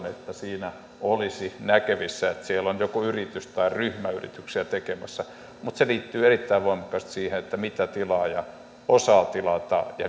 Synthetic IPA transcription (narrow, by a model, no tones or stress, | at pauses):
net̪ːæsiːnæ | olisinækeʋisːæet̪sielːonjokuyrit̪yst̪ɑiryhmæyrḭt̪yksiæt̪ekemæsːæ | mut̪seliːt̪ːyːerit̪ːæiʋʋoimɑkɑst̪siːhenet̪ːæmit̪æt̪ilɑːjɑ | osɑːt̪ilɑt̪ɑ̰jɑ̰